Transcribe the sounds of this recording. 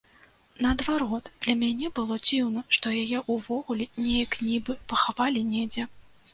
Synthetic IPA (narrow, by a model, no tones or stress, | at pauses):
nɐːd̪vaɾɔt̪d̪̥lʲɐmʲanʲɛbɨlˠɔd͡zʲiwnɐʂt̪ɔjajɛʔuvɔɣulʲɛnʲejɐknʲibɨpɐxavalʲinʲɛd͡zʲɛ